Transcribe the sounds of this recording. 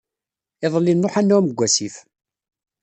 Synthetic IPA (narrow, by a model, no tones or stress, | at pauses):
ɪðˤəlːinːoħænːʊməɡʷːæsiθ